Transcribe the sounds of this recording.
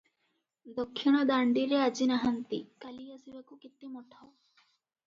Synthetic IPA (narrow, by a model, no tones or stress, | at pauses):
d̪ɔkʰːiɽ̃ɔd̪aɳɖiɾead͡ʒinaɦant̪ikaliasibakukit̪ːimɔʈʰao